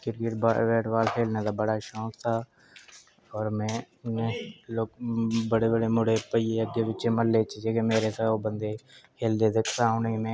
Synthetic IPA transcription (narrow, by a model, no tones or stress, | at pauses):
kɪɾkɪʈbaʋeːʈʋaːlkʰeːlnet̪aːbəɽaʃõːst̪ʰaː | ɔːɾmɛ̃ː | nẽloːkbəɽebəɽemʊɽepəijeəɡjebɪt͡ʃẽməlːeːt͡ʃed͡ʒekemeːɾet̪ʰaoːbə̃nd̪ekʰeːld̪ed̪ɪkʰt̪aːʊnimẽː